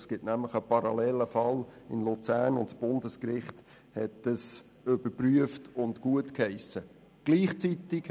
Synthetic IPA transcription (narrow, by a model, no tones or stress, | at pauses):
sɡ̥ɪtnæmləχəpɑɾɑlɛːləfɑlɪ̰nlut͡sæːɾnʊntsb̥ʊndəskɾɪχt | hɛtəs | ʏb̥əpryəftʊntkuətkhɛɪsə | ɡ̥liːχt͡sit̪ɪk